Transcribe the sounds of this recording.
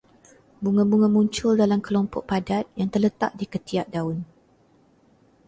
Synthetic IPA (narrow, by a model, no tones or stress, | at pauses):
buŋãbuŋãmũɲt͡ʃʊldalamkəlɔmpɔʔ̚padat̪̚jaŋt̪ərlət̪a̰ʔ̚dikət̪iaʔ̚daʊn